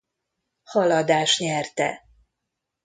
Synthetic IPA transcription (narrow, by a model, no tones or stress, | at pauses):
hɒlɒd̪aːʃɲɛrt̪ɛ̰